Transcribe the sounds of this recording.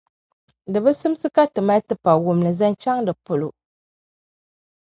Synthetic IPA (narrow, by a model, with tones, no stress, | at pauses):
dɨ˨bɨ˦sɨ˦m˦sɨ˦ka˦tɨ˨ma˦tɨ˦pa˨wʊ˨mlɨ˨za˦nt͡ʃa˦ŋdɨ˨pʊ˨lo˨